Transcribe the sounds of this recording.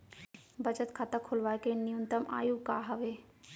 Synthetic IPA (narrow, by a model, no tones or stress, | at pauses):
bəd͡ʒət̪kʰat̪akʰolʋaːkenijə̃nt̪əma̰ːjukaɦəʋe